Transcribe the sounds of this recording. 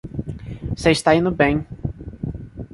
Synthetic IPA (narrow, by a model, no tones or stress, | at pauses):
seɪʃt̪aĩnʊbẽj̃